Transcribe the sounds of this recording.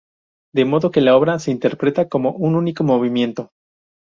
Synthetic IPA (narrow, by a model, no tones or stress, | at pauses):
d̪e̞mo̞ðo̞ke̞lao̞βɾase̞int̪e̞ɾpɾe̞t̪ako̞mo̞ʔununiko̞mo̞β̞imje̞nt̪o̞